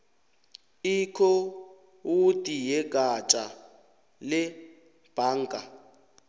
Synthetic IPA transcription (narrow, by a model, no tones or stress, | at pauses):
ikʰɔ | wutʼijɛɡ̥ʱat͡ʃʼa | lɛ | b̥ʱaːŋ̩kʼa